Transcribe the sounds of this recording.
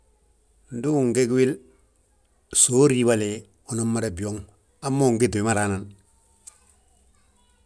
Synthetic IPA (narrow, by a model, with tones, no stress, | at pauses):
n̩˨du˦˨ŋɡe˦kwi˦l | so˦ɾi˦bale˨ | o˨no˦mːa˦ɾe˨bi˨o˦ŋ | a˦mːo˦˨ŋɡe˦tu˨wi˨ma˦ɾa˨˦na˨n